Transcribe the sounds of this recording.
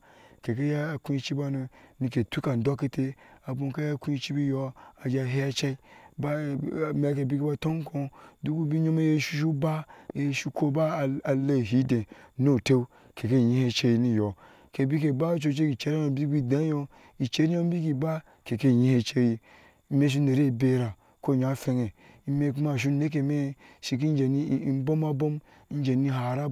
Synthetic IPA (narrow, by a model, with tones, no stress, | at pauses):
ke˨ke˦ja˦˨kũ˦i˦t͡ʃi˦ba˦nu˧ni˧ke˨tu˦ka˨n̩˨do˦ke˦tʰe˦a˨bu˨˦ka˦ja˦ku˦i˦t͡ʃi˦bi˦jo˧a˨d͡ʒa˧ɦe˦ja˦t͡ʃa˦i˦ba˦˨mʲ˦a˨˦ke˨bi˦ke˦ba˦to˦ŋ˦kʰõ˧du˦ku˦bi˦ɲo˦me˦je˦ʃu˦ʃ̬u˦ba˦e˨˦˨ʃu˦ko˦ba˦˨a˨le˦˨ɦi˦dẽ˨no˦˨te˦u˦ | ke˨ke˦˨ɲi˦he˦t͡ʃe˦ji˨ni˦˨jo˨ | ke˨bi˦k̬e˨ba˦t͡ʃo˦t͡ʃe˦ɡi˨t͡ʃe˦ɾa˦jo˨bi˦ɡi˦˨da˨˦jo˦ | i˨t͡ʃe˦ɾi˦jo˦bi˦ki˨ba˦ | ke˨ke˦˨ɲĩ˦he˦t͡ʃe˦ji˨˦ | me˦ʃ̬i˦ne˨ɾe˦˨be˦ɾa˨ | ko˦˨ɲa˦fe˧ŋe˨ | i˦me˦k̬u˦ma˨ʃ̬u˦ne˦k̬e˨me˦ʃi˨k̬i˦n˦d͡ʒe˨ni˦i˦bo˦ma˦bo˦m˦ | n˦d͡ʒe˨ni˦ɦa˨ɾa˦